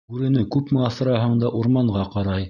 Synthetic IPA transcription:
ʉɾɘ̆nɘkʉpmɘɑθɤ̆ɾɑɦɤɴd̪ɑʔuɾmɑɴʁɑqɑɾɑj

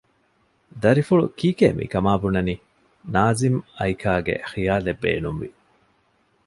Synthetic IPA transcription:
d̪ɐɾifuɭṵkiːkeːmʔḭkɐmaːbunɐniː | naːzimɐikʰaːɡḛxijaːlebːḛːnumʋi

